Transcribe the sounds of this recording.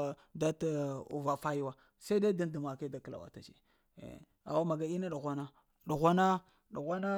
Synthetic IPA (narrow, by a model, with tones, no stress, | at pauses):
da˦ta˦ṵ˨va˨fa˦ji˦wa˦ | sa˦i˦da˦da˦n˦du˨ma˨ke˦da˨kla̰˨wa̰˨ta̰˨t͡ʃḛ˨ | a̰˨wa˦ma˨ɡa˨i˦na˦ɗu˨ɣʷa˦na˦ | ɗu˨ɣʷa˦na˦ | ɗu˨ɣʷa˦na˦